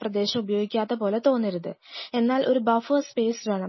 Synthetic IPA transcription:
prɐd̪e̞ːɕɐmubɐjo̞ːɡikʲːaːðɐpo̞ːle̞t̪o̞ːnːɐɾuðɨe̞nːaːlʔo̞ɾubɐfoːspe̞ːsɾɐɳɐ

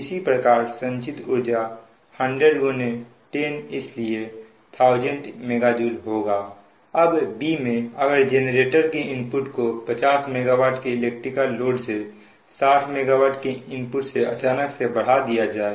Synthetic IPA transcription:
ɪsipɾəkaːɾsə̃nt͡ʃɪt̪ʊɾd͡ʒa | hə̃ɳɖɾeɖɡone | ʈeːnɪslie | t̪ʰaːʊd͡ʒə̃ɳʈmeːɡad͡ʒuːlɦoːɡaː | əbbimẽɐɡəɾd͡ʒeːneɾeːʈəɾkeɪ̃mpʊʈkopət͡ʃaːsmeːɡawaːʈkeɪleːk̚ʈɾɪkəːoːɖse | saːʈʰmeːɡawaːʈkeɪ̃mpʊʈseɐ̰t͡ʃaːnəksebəɽ̤ad̪ijad͡ʒaːe

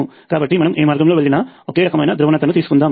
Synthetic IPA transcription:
u | kaːbɐʈːimɐnɐmʔeːmaːɾɡɐmlo̞ːʋeɭːinɐoke̞ːɾɐkɐmɐjnɐd̪ɾuʋɐnɐt̪ɐnut̪̬iːsukund̪aːm

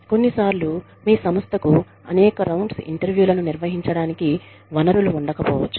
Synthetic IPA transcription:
ko̞nːisaːɾlu | miːsɐmɐst̪ʰɐku | ɐ̰nɛːkɐɾɐwɳɖsḭɳʈɐɾʋjuːlɐnuniɾʋɐɦiɲt͡ʃɐɽaːniki | ʋɐnɐɾuluːɳɖɐkɐpɔ̰ːʋɐ̰t͡ʃːu̥

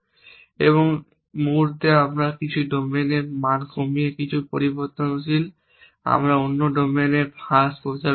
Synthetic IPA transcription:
eβoŋ | muɾt̪eamɾakit͡ɕʰuɖomenemankʰomiekit͡ɕʰupoɾiboɾt̪onosil | a̰mɾaonːoɖomeneɾaskod͡ʑa

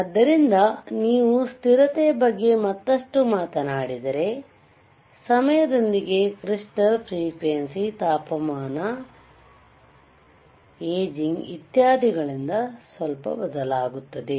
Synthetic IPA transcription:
ɐd̪ːɐɾind̪ɐniːʋust̪iɾɐt̪ejbɐɡːe̞mɐt̪ːɐʂʈumaːt̪ɐnaːɽid̪ɐɾe̞ | sɐmɐjɐd̪o̞nd̪iɡe̞kɾiʂʈɐlpʰɾiːkʋensit̪aːpɐmaːnɐ | eːd͡ʒiŋɡit̪jaːd̪ʱiɡɐɭind̪ɐsʋɐlpɐ̰bɐd̪ɐlaːɡut̪ːɐd̪e̞

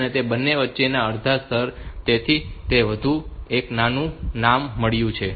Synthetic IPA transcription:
net̪ebənːeʋətːʃenaəɾd̪ʱast̪ʰəɾt̪et̪ʰit̪eʋəd̪ʱueknanũnamːəɭjũt͡ʃʰe

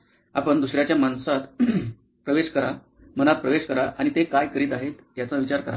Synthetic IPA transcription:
apəɳd̪usɾjat͡ɕjamansat̪ | pɾəʋeɕkəɾa | m̤ənat̪̚pɾəʋeɕkəɾaʔaɽ̃it̪ekajkəɾiːt̪aɦet̪ːjat͡saʋit͡ɕaɾkəɾa̰

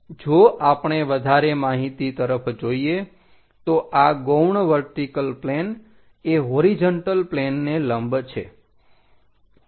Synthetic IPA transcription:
d͡ʒoʔapɳeʋəd̪ʱaɾemaɦit̪it̪əɾəpʰd͡ʒoie | t̪oʔaɡowɳʋəɾʈikəlplen | eɦoɾid͡ʒəɳʈəlplenːeləmbt͡ʃʰḛ

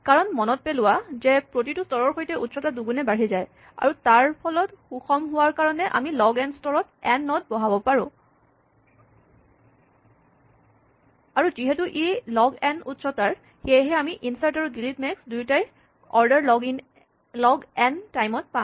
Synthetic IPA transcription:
kaɹɔnmɔnɔt̚pelʊwazɛpɹot̬itustɔɹɔɹxojtɛʔutsɔtaduɡunɛbaɹizaj | a̰ɹutaɹpʰɔlɔtxuxɔmɦʊwaɹkaɹɔnɛʔa̰milɔɡɛnstɔɹɔtɛnːɔt̚bɔɦabɔpaɹʊ̃ | aɹuziɦɛtuʔelɔɡɛnutsɔtaɹ | xejɦɛamiʔinsaɹtaɹudilitmɛksdujtaj | ɔɹdɛɹlɔɡiŋ | lɔɡɛntajmɔt̚pã

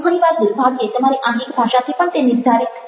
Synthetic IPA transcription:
kʰonibaɾd̪uɾbʱaɡiet̪omaɾeʔaɦikbʱaʃat̪ʰipant̪eniɾd̪ʱaɾit̪

